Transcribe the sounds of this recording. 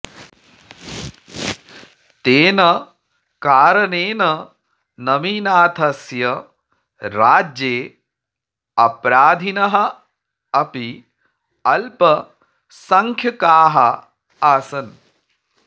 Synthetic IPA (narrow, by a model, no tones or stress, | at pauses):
t̪eːnɐ | kaːɾɐneːnɐ | nɐmiːnaːt̪ʰɐsjɐ | ɾaːd͡ʒjeː | ɐpɾaːd̪ʱinɐɦɐ | ɐpi | ɐlpɐ | sɐŋkʰjɐkaːɦɐ | aːsɐn